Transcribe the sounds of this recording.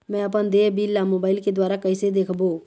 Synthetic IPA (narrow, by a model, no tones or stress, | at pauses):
mɛ̃əpənd̪eːbiːlːamoːbaːɪlked̪waːɾakəɪsed̪eːkʰboː